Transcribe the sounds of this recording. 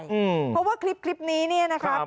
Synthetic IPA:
ʔɯː˧˩pʰɔ˦˥waː˥˩kʰɾi˦˥p̚kʰli˦˥p̚niː˦˥ni˥˩ɐna˦˥kʰa˦

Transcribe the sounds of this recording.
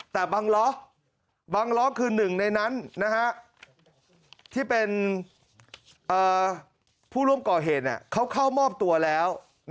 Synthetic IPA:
t̪ɛː˨˩baː˧ŋlɔ˦˥ | baː˧ŋlɔ˦˥kʰɯː˧nɯ˨˩ŋna˧jna˦˥nna˦˥ha˦˥ʔ | t̪ʰiː˥˩pe˧n | ʔɤː˨˩ | pʰuː˥˩ɾu˥˩əmkɔː˨˩ɦeː˨˩t̪̚nḭ˨˩kʰa˦˥wkʰa˥˩wmɔː˥˩p̚t̪u˧ɐlɛː˦˥w | n

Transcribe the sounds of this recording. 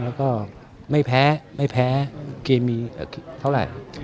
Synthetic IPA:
lɛː˦˥wkɔː˥˩ | ma˥˩jpʰɛː˦˥ma˥˩jpʰɛː˦˥keː˧mːiː˧ʔaː˨˩kʰt̪ʰa˥˩wɾa̰˨˩j

